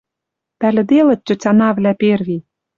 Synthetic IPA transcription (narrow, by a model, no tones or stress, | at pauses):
pælʲɘ̆d̪elɘ̆t̪̚ʲt͡ɕːɘ̆t͡sʲɑnɑvlʲæperβi